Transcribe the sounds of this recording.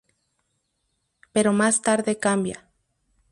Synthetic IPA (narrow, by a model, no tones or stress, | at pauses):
peɾomast̪aɾðekambja̰